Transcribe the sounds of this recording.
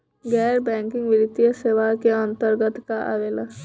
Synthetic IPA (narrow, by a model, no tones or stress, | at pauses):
ɡɛːɾbɛ̃ːŋkɪ̃ŋɡʋɪɾɪt̪ːijəseːʋakeə̃nt̪əɾɡət̪kaʔɐ̰ʋeːlə